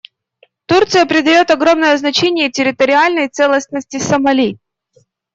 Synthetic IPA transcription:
t̪urt̪sɨjəpɾʲɪd̪ɐjo̞t̪ɐɡɾo̞mnəjəznɐt͡ɕenʲɪjətʲɪɾʲɪt̪əɾʲɪalʲnəjt̪sɛlˠəsnəsʲtʲɪsəmɐlʲi

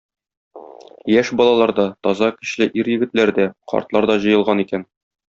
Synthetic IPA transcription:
jæʃbɒlˠɑlˠɑɾd̪ɑt̪ɒzɑkɘ̆ɕlɘʔiɾjɘ̆ɡɘ̆t̪læɾd̪æqɒ̰ɾt̪lˠɑɾd̪ɒʑɤ̆jɤ̆lˠʁɑnikæn

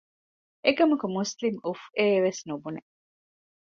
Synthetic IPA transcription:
ekɐmukumuslimufeːʋesnubune

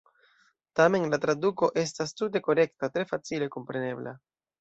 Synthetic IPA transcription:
tame̞nlatɾaduko̞ʔe̞stastute̞ko̞ɾe̞ktatɾe̞fat͡sile̞ko̞mpɾe̞ne̞bla̰

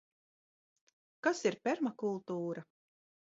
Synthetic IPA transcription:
kasiɾpʲɛɾmakulˠt̪uːɾa

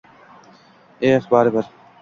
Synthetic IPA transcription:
eːɐxbaːɾeːbɐɾ

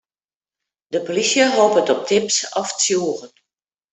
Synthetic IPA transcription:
dəpolisjəɦoːpətɔp̚tʰɪpsɔft͡sjoːrən

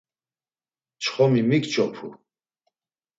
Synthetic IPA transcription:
t͡ʃʰχɔmimikt͡ʃʼɔpʰu

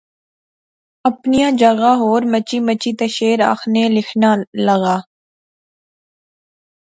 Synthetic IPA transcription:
əpnijãːd͡ʒəɣaːɦoːɾmət͡ʃiːmət͡ʃiːt̪əʃeːɾa̰ːxnẽːlɪkʰnaːləɣaː

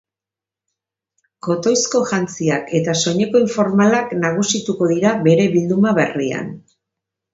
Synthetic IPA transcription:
ko̞t̪o̞jsko̞ʝant͡siake̞t̪aso̞ɲe̞ko̞iɱfo̞ɾmalaknaɣ̞usit̪uko̞ðiɾaβe̞ɾe̞βild̪umaβe̞ria̰n

